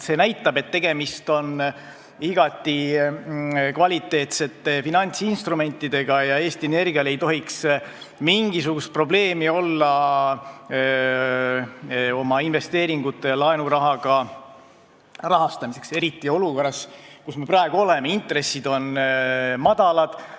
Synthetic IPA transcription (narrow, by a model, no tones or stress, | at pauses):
se̞næjt̪ːˑɑbe̞t̪ːe̞ɡe̞mist̪o̞n | iɡ̥ɑt̪ːˑi | kvɑlʲit̪ːˑe̞ːt̪se̞t̪ːe̞finɑnʲt̪sinst̪rume̞nʲt̪ːˑid̪̥e̞ɡ̥ɑjɑe̞ːst̪iene̞rɡ̥iɑle̞jt̪o̞ɦiks | miŋɡ̥isuɡ̥ust̪̚pro̞ble̞ːmio̞lːɑ | o̞mɑinve̞st̪e̞ːɾiŋɡut̪ːˑe̞ɑlɑenuɾɑɦɑɡ̥ɑ | rɑɦɑst̪ɑmise̞kse̞ɾit̪ːˑio̞luko̞rːɑskusme̞prɑe̞ɡ̥uo̞le̞meint̪re̞sːid̪̥o̞n | mɑd̪̥ɑlɑd̪̥